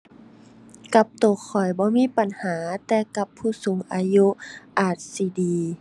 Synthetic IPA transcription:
ka˧˦p̚t̪o˧˩kʰɔ˨˩jbɔː˧˦miː˧˥˨pa˨nhaː˨˦t̪ɛː˧ka˧˦pʰːuː˧˩suː˨˦ŋʔa̰ː˨˧˦ju˧˥ʔaː˨˩t̪̚si˧˦diː˨˦

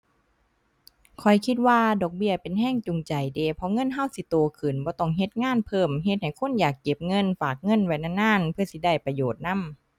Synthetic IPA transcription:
kʰɔ˨˩jkʰi˧t̪̚waː˧dɔː˨˩k̚bi˧˩ɐpe˨nɦɛː˧˥˨ŋt͡ɕu˨ŋt͡ɕa˨˩jdeː˨˩pʰɔ˧˦ŋɤ˧˥˨nɦa˧˥˨wsi˧˦t̪oː˨˩kʰɯː˨˩nbɔː˧˦t̪ɔ˧˩ŋɦe˧˦t̪̚ŋaː˧˥˨npʰɤː˧˩mɦe˧t̪̚ha˨˩jkʰo˧˥˨njaː˨˩kːe˧˦p̚ŋɤ˧˥˨nfaː˨˩k̚ŋɤ˧˥˨nwa˧˩jnaː˧˥˨naː˧˥˨npʰɯ˧˩ɐsi˧˦da˧˩jpa˧joː˨˩t̪̚na˧˥˨m

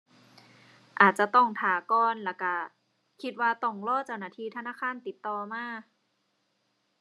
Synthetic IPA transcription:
ʔaː˨˩t̪̚t͡ɕa˧˨t̪ɔ˧˩ŋt̪ʰaː˨˦kɔː˧nlɛː˧˩ka˧˩ | kʰi˧t̪̚waː˧t̪ɔ˧˩ŋlɔː˧˥˩t͡ɕa˧˩wnaː˧˩t̪ʰiː˧t̪ʰa˧naː˧˥˨kʰaː˧˥˨nt̪i˨˦t̪ːɔː˧maː˧˩

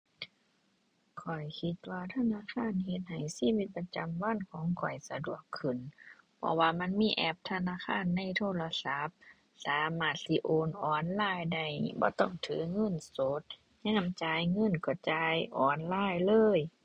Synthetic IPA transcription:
kʰɔ˨˩jkʰi˧˦t̪̚waː˧t̪ʰa˧˥˨naː˧˥˨kʰaː˧˥˨nhe˧t̪̚ha˨˩jsi˧˥˨wi˧t̪̚pa˧t͡ɕa˧˨mwa˧˥˨nkʰɔː˨˦ŋkʰɔ˨˩jsa˧du˨˧˩əkʰːɯ˨˩npʰɔ̰˧waː˧ma˧˥˨nmiː˧˥˨ʔɛ̰˧˩p̚t̪ʰa˧˨naː˧˨kʰaː˧˥˨nːa˧˥˨jt̪ʰoː˧˥˨la˧sa˧˦p̚ | saː˨˦maː˧˩t̪̚siː˧ʔoː˧˥nʔɔː˨nlaː˧˨jda˧˩jbɔ̰ː˧˦t̪ɔ˧˩ŋt̪ʰɯː˨˦ŋɤ˧˥˨nso˧˦t̪̚ | ɲa˧˥˨a˧˩mt͡ɕaː˧jŋɤ˧˥˨nkɔ˧˩t͡ɕaː˧jʔɔː˨˩nlaː˧˩˨jlɤː˧˥˨j

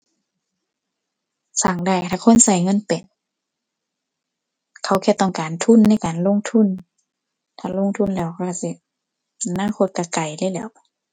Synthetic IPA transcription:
sa˧˩ŋda˧˩˨jt̪ʰaː˧˩kʰo˧˥˨nsa˧˩˨jŋɤ˧˥˨npe˨n | kʰa˧˩wkʰɛː˧˩t̪ɔː˧˩ŋkaː˨nt̪ʰu˧˥˨nːa˧˥˨jkaː˨nlo˧˥˨ŋt̪ʰu˧˥˨n | t̪ʰaː˧˩lo˧˥˨ŋt̪ʰu˧˥˨nlɛː˧˩wkʰa˧ka˧˩si˧˦ | ʔa˨naː˧˥˨kʰo˧˩˨t̪̚ka˧˩ka˨˩jlɤː˧˨lɛː˧˩wpa˧˩˦

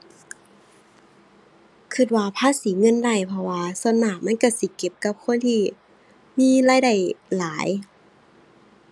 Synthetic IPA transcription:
kʰɯ˧˩t̪̚waː˧pʰaː˧˥˨siː˨˦ŋɤ˧˥˨nda˧˩jpʰɔ˧waː˧so˧˥˨nmaː˧˩ma˧˥˨nka˧˩si˧˦ke˧˩p̚ka˧˦p̚kʰo˧˥˨nt̪ʰiː˧˥˩ | miː˧˥˨laː˧˩˨jda˧˩jlaː˨˦j

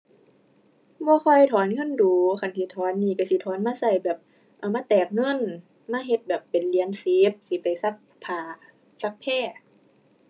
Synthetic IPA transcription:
bɔː˧˦kʰɔ˧˩jt̪ʰɔː˨˦nŋɤ˧˥˨nduː˨˩kʰa˨˩nt̪ʰi˧˦t̪ʰɔː˨˦nːiː˧˩ka˧˩si˧˦t̪ʰɔː˧˦nmaː˧˥˨sa˧˩jbɛː˨˩p̚ | ʔa˧˩maː˧˨t̪ɛː˨˩k̚ŋɤ˧˥˨n | maː˧˥˨ɦe˧t̪̚bɛː˨˩pːe˨nli˧˦ənsiː˨˦p̚si˧˦pa˨jsa˧˥k̚pʰaː˨˩ | sa˧˩k̚pʰɛː˧˩

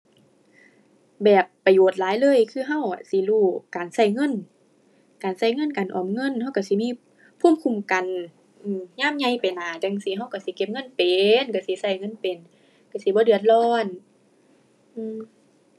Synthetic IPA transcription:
bɛː˨˩pːa˧joː˨˩t̪̚laː˨˦jlɤː˧˥˨jkʰɯː˧˨ɦa˧˨wa˨si˧˦luː˧˩kaː˨˩nsa˧˩˨jŋɤ˧˥˨n | kaː˨˩nsa˧˥˩jŋɤ˧˥˨nkaː˨˩nʔɔ̰ː˨˩mŋɤ˧˥˨nha˧˩˨wka˧˩si˧˦miː˧˥˨ | pʰuː˧˥˨mkʰu˧˨mka˨n | ʔɯː˧˩mɲaː˧˥˨mɲa˧˥˨jpa˨˩jnaː˨˩da˨˦ŋsi˧˦ɦa˧˩wka˧˩si˧˦ke˧p̚ŋɤ˧˥˨npe˨nka˧˩si˧˦sa˧˩jŋɤ˧˥˨npe˨n | ka˧˩si˧˦bɔː˧˦dɯ˧ət̪̚lɔː˧˩n | ʔɯː˧˩

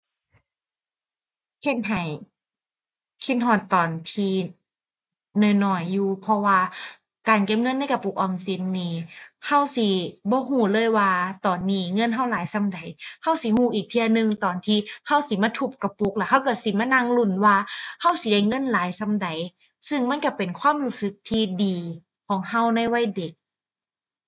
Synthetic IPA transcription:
he˧t̪̚ɦa˨˩˦j | kʰi˧t̪̚ɦɔː˧˩t̪t̪ːɔː˨˩nt̪ʰiː˧ | nɔː˧˩˨jnɔː˧˩jːuː˧pʰɔ˧waː˧ | kaː˨˩nke˧˩p̚ŋɤ˧˥˨nːa˧˥˨jka˧˩pu˧˦k̚ʔɔː˧˩msi˧˦mniː˧˩ha˧˥˩wsi˧bɔː˧˦ɦuː˧˩lɤː˧˥˨jwaː˧t̪ɔː˨nːiː˧˩ŋɤ˧˥˨nɦa˧˩wlaː˨˦jsa˧˥mda˨˦jha˧˥˩wsi˧˦huː˧˨ʔiː˨˩k̚t̪ʰi˧ɐ˧nɯ˧ŋt̪ɔː˨˩nt̪ʰiː˧ha˧˩˨wsi˧˦maː˧˥˨t̪ʰu˧˩p̚ka˧˩pu˧˦k̚lɛ˧˩ʔha˧˥˩wka˧˩si˧˦maː˧˥˨na˧˥˨ŋlu˧˩˨nwaː˧ha˧˥˩wsi˧˦da˧˩jŋɤ˧˥˨nlaː˨˦jsa˧mda˨˦j | sɯ˧˨ŋma˧˥˨nka˧˩pe˨nkʰwaː˧˥˨mluː˧˩sɯ˧˦k̚t̪ʰiː˧diː˨ | kʰɔː˨˦ŋha˧˥˩wna˧˥˨jwa˧˥˨jde˨˦k̚

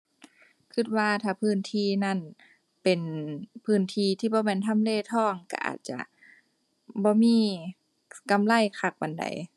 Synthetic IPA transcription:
kʰɯ˧t̪̚waː˧t̪ʰaː˧˩pʰɯː˧˥˨nt̪ʰiː˧˥˩na˧˥˨n | pe˨npʰɯː˧˩nt̪ʰiː˧˩t̪ʰiː˧˥˩bɔː˧˦mɛː˧˥nt̪ʰa˧˥˨mleː˧˩˨t̪ʰɔː˧˥˩ŋka̰˧ʔa̰ː˨˩t̪̚t͡ɕa̰˧˩ | bɔː˧˦miː˧˥˨ | ka˧˨mla˧˥˨jkʰa˧˩k̚ba˨nda̰˨j

